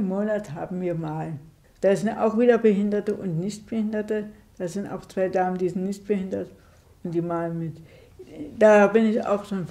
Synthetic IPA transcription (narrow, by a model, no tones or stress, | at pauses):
mːoːnathaːbm̩viːɐmaːl | d̥aːzɪnta̰ʊxv̥iːdɐbəɦɪndɐtəʔʊntnɪçt̚b̥əhɪndɐtə | d̥aːzɪnta̰ʊxt͡sv̥aɪdaːməndiːzɪnnɪçt̚b̥əhɪndɐt | ʊntd̥iːmaːlmɪt | d̥aːbɪnɪça̰ʊxʃoːnf